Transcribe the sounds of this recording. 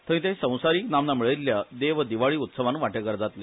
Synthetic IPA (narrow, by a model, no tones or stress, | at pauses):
t̪əɾĩt̪ẽsə̃w̃saɾiːknamnamiɭəlːjad̪eʋəd̪iʋaɭiːut̪səʋanʋaʈəkəɾd͡zat̪le